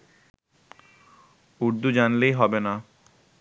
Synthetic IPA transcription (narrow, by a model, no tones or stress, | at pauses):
uɾd̪ud͡ʑanlejɦɔbena